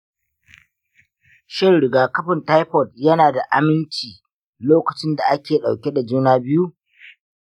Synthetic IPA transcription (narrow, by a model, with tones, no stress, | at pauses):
ʃɪ˦rɽɪ˨ɡaː˨kɐ˦ɸɪ˨nta˦jɸɔ˨tjɐ˦naː˨da˨ʔa˦mɪ˦nt͡ʃiː˨ | loː˦kɐ˨t͡ʃɪ˦nda˨ʔa˦kʲeː˨ɗa˨wkʲe˦da˨d͡ʒuː˦naː˦˨bɪ˦ju˦ʔ